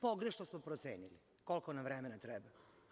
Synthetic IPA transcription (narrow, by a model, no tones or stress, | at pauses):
poɡɾeʃnosmopɾot̪seːnili | ko̞lˠkonaʋɾemenat̪ɾɛba